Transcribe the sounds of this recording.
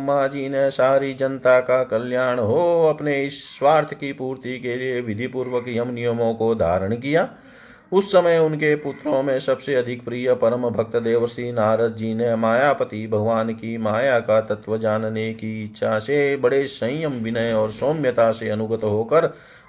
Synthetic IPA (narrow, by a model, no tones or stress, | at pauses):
mːaːd͡ʒinesaːɾid͡ʒɐnt̪akakɐljaːɽ̃ɦoɐpneɪsːwaːɾt̪ʰjəkipuːɾt̪ikelieʋɪd̪ʱipuːɾʋəkjəmnijəmõkod̪ʱa̰ːɾəɽ̃k̬ijaː | ʊsːəməjʊnkepʊt̪ɾõmẽsɐbseɐd̪ʱɪkpɾiːjəpɐɾəmbʱək̚t̪əd̪eːʋəsinaːɾəd̪d͡ʒinemaːjaːpət̪ibʱəɡʋaːnkimaːjakat̪ət̪ʋəd͡ʒaːnnekiɪt̪ːʃʰasebəɽesə̃jjəmʋɪnəjɔːɾsoːmjət̪aseɐnʊɡət̪ɦoːkəɾ